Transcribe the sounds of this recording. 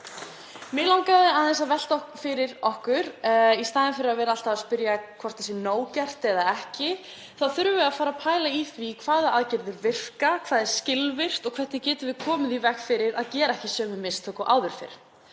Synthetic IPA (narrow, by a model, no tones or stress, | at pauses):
mɪlawŋkaðɪaðθɛsːavɛl̥t̪ɔkfɪɾɪɾɔhkʏɾ̥ist̪aːðɪnfɪɾɪɾaðvɛːɾaal̥t̪avaspʏɾjakʰvɔr̥t̪θɛsɪnoːwcɛr̥t̪ɛðaɛhcɪ | θaðθʏɾvʏafaːɾapʰaːjlaifɾikʰvaːðɪaðcɪɾðɪɾvɪr̥kakʰv̥aːðɛɾ̥scɪlvɪr̥t̪ɔkʰvɛt̪nɪcɛːt̪ʏvɪðkʰɔːmɪðivɛhkfɪɾɪɾaðcɛːɾaɛhcɪsœːmʏmɪst̪ʰœːkɔʔa̰ːwðʏɾ̥fɪ̰ɾ̥